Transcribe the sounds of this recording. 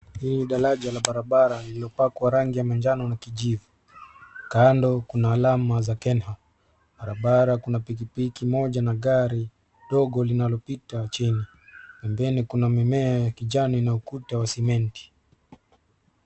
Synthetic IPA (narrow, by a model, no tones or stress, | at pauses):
hiliɗaɾaʄalaɓaɾaɓaɾalilɔpakwaɾaŋɡijamand͡ʒanɔnakiʄivu | kandɔkunaːlamazakɛnɦa | ɓaɾaɓaɾakunapik̬ipikimɔʄanaɠaɾi | ɗɔɠɔlinalɔpitat͡ʃini | pɛmbɛnikunamimɛajakiʄaninaukutawasimɛnti̥